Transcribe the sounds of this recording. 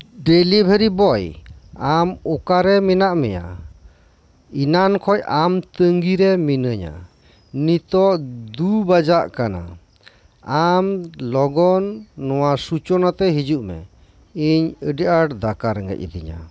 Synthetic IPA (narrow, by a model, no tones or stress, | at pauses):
ɖelibʱeɾibɔjamɔkaɾɛminaʔmɛ̰ja̰ | inankʰɔjamt̪əŋɡiɾɛminəɲa̰ | nit̪ɔʔd̪ubad͡ʒaʔkana̰ | amlɔɡɔnːɔwasut͡ʃɔnat̪ɛɦid͡ʒuʔmɛ̰ | iɲəɖəʔaʈd̪akaɾɛŋɡɛ̰c̚ə̰d̪ḭɲa̰